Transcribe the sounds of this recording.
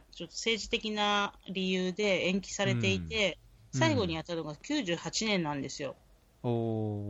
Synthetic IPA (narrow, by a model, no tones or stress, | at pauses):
t͡ɕo̞t̪ːose̞ːʑit̪e̞kʲinaɾʲijɯ̟ːd̪e̞ẽ̞ŋkʲi̥saɾe̞t̪e̞it̪e̞ | saiɡo̞ɲ̟ijat̪ːano̞ɡakʲɨːʑɨːhat͡ɕinẽ̞nːãnd̪e̞sɨjo̞ | o